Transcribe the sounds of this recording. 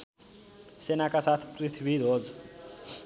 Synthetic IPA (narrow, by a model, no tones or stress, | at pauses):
senakasat̪ʰpɾit̪ʰbʱid̪ʱod͡z